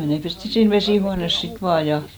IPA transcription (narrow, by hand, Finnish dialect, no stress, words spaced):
ei ne pesti siːn ʋesiˑhuɑnes sit ʋɑː jɑ